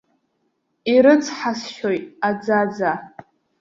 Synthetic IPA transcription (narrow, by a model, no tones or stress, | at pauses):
iɾɨt͡sʰħasʃojtʼad͡zad͡za